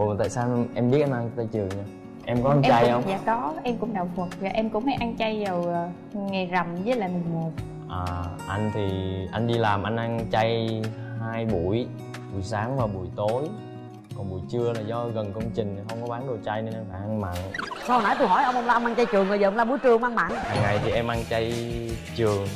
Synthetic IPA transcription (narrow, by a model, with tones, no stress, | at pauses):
o˨˩˨t̪a̰ː˧˨saː˧ʔɛ˧mɓi˦˥ət̚ʔa˧nʔa˧ŋ˧t͡ɕa˧jt͡ɕɨ˨˩əŋɲaː˧ | ʔɛ˧mkɔ˨˦ʔaː˧ŋʔɛ˧t͡ɕa˧jə˧˨wŋ͡mza̰ː˨˦kɔ˨˦ʔɛ˧mkʊ̰˧˥ŋ͡mɗaː˨˩wfə˨˩t̚vaː˨˩ʔɛ˧mkʊ̰˧˥ŋ͡mhə˨˦jʔa˧ŋt͡ɕa˧jzə˨˩w | ŋa˨˩za˨˩mzəː˨˦laː˨˩mɨ˨˩ŋmo˨˩t̚ | ʔaː˨˩ʔa˧jŋ̟t̪ʰi˨˩ʔa˧jŋɗi˧laː˨˩mʔa˧jŋ̟ʔa˧ŋt͡ɕa˧j | haː˧jɓṵ˧˩˨əj | ɓṵ˧˩jsaː˨˦ŋvaː˨˩ɓṵ˧˩jt̪o˨˦j | kɔ˨˩nɓṵ˧˩jt͡ɕɨ˧əlaː˨˩zɔ˧ɣə˨˩nkə˧wŋ͡mt͡ɕï˨˩ŋ̟t̪i˨˩xə˧wŋ͡mkɔ˨˦ɓaː˨˦nɗo˨˩t͡ɕa˧jne˧nʔa˧nfaː˧˩jʔa˧ŋma̰ː˧˨nsa˧hna˧˨˦jt̪u˧jɦɔ˧˩jʔə˧wŋ͡mʔə˧ŋ͡mlaː˧mʔaː˧ŋt͡ɕa˧jt͡ɕɨ˨˩əŋə˨˩jzːwla˧mɓu˧˩˦jt͡ɕɨ˨˩əŋmaː˧ŋma̰ː˧˨nhaː˨˩ŋːa˨˩jt̪ʰi˨˩ʔɛ˧mʔaː˧ŋt͡ɕa˧j | t͡ɕɨ˨˩əŋ